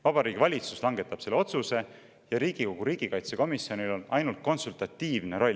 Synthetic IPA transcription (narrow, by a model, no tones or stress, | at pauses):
vɑb̥ɑɾiːɡ̥ivɑlʲit̪suslɑŋɡe̞t̪ːˑɑb̥se̞lːeo̞t̪suse̞ | jɑɾiːɡ̥iko̞ɡ̥uɾiːɡ̥ikɑjt̪se̞ko̞misio̞nilo̞nɑjnult̪̚ko̞nsult̪ɑt̪ːˑiːvne̞ɾo̞lʲ